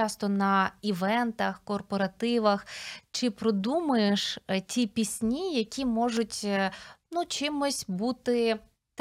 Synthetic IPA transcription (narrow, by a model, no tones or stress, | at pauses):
ɑst̪ɔnɐiʋɛnt̪ɐxkɔrpɔɾɐt̪ɪʋɐxt͡ʃɪpɾɔd̪umɐjeʃtʲipʲisʲnʲijɐkʲʰimɔʒʊtʲnut͡ʃɪmɔsʲbut̪ɪ